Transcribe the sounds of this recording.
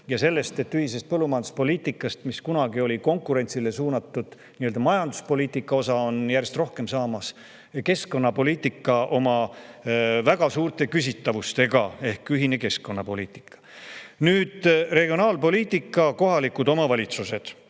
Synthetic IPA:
jɑse̞lːe̞st̪e̞t̪ːyhis̬e̞st̪̚pɤlːumɑjɑnd̪̥uspo̞liːt̪ːˑikːˑɑst̪miskunɑɡio̞lʲiko̞ŋkːˑuɾe̞nʲt̪sile̞suːnɑt̪ːˑud̪̥ | niøld̪̥ɑmɑjɑnd̪̥u̥spo̞lʲiːt̪ːˑikːˑɑo̞sɑo̞njærje̞st̪ro̞hke̞msɑːmɑs | ke̞sko̞nːɑpo̞lʲiːt̪ːˑikːˑɑʔo̞mɑ | væɡ̥ɑsuːɾt̪ˑe̞kys̬ʲit̪ːɑvust̪e̞ɡ̥ɑe̞hkyɦine̞ke̞sko̞nːɑpo̞liːt̪ːˑi̥kːˑɑ̥nyːd̪̥re̞ɡ̥ionɑːlpo̞lʲiːt̪ːˑikːˑɑko̞ɦɑlikːud̪̥o̞mɑvɑlʲit̪suse̞d̪̥

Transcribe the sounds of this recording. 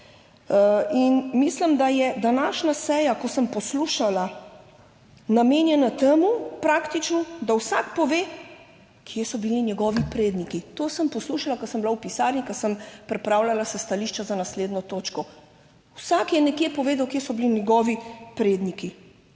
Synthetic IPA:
inmislimd̪ajɛd̪anaːʃnasɛjakɔsəmpɔsluʃala | nameːnjɛnat̪emupɾakt̪it͡ʃnɔd̪awsakpɔʋeː | kʰjesɔbilinjɛɡɔːʋipɾeːd̪nikit̪oːsəmpɔsluʃalakɔsəmblawpisaːɾnikɐsəmpɾɛpɾaːwlalasɛst̪aliːʃt͡ʃazanasleːd̪nɔt̪oːt͡ʃkɔ | wsakjɛnɛkjeːpɔʋeːd̪awkjesɔbilinjɛɡɔːʋipɾeːd̪niki

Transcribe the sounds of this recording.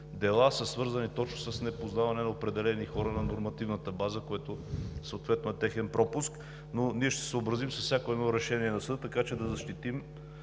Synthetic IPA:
d̪ɛlˠasəsvɤɾzɐnit̪ɔt͡ʃnosəsnɛpoznavɐnɛnɐopɾɛd̪ɛlɛnixɔɾənɐnoɾmɐt̪ivnət̪əbazəkoɛt̪ʊsəoːt̪vɛt̪noɛt̪ɛxɛnpɾɔpʊsk | noniɛʃt̪ɛ̥səobɾɐzimsɐfsʲakoɛd̪nɔɾɛʃɛniɛnɐsəd̪ət̪ːɐkat͡ʃɛd̪ɐzɐʃt̪it̪im

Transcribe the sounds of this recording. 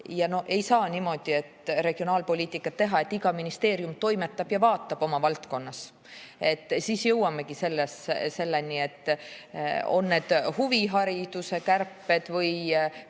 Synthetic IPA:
jɑno̞e̞jsɑːnimo̞d̪̥ie̞t̪ɾe̞ɡ̥io̞nɑːlpo̞lʲiːt̪ːˑikːˑɑt̪ːe̞ɦɑe̞t̪ːiɡɑminist̪e̞ːɾjumt̪o̞jme̞t̪ːˑɑb̥jɑvɑːt̪ːˑɑb̥o̞mɑvɑlt̪ko̞nːɑs | e̞t̪ːsiːsjɤwːɑmːekise̞lːesse̞lːenie̞t̪ː | o̞nːe̞ːd̪̥huviɦɑɾid̪̥use̞kærpːe̞d̪̥vɤj

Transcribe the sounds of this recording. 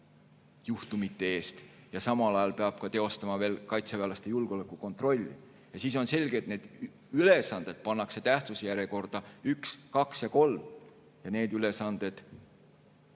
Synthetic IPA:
juht̪umit̪ːe̞e̞ːst̪jɑsɑmɑlɑjɑlpe̞ɑb̥̚kɑt̪e̞o̞st̪ɑmɑve̞ːlkɑjt̪sevælɑst̪e̞julɡeo̞lekːˑuko̞nt̪ˑro̞lʲːḭ | jɑsiːs̬o̞nse̞lʲɡ̥e̞t̪̚ne̞ːd̪̥ | yle̞sɑnd̪̥e̞d̪̥̚pɑnːɑkse̞t̪æht̪susejæɾeko̞rd̪̥ɑykskɑksjɑko̞lm | jɑne̞ːd̪yle̞sɑnd̪̥e̞d̪̥

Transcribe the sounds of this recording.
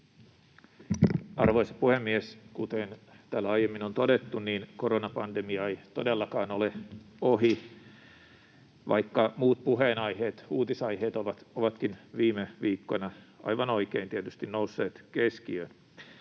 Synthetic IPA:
ʔɑrʋoisɑ̥puhemːieskut̪en | t̪ælːɑjemːinont̪odet̪ːunniːnkoɾonɑpɑndemiɑeit̪odelːɑkɑːnoleoɦi | ʋɑ̰ikːɑmuːt̪̚puɦeːnɑiheːt̪uːt̪isɑiɦeːt̪oʋɑt̪oʋɑt̪kinʋiːmeʋiːkːonɑɑ̰jʋɑnoikeint̪iet̪yst̪innousːeːt̪keskiøn

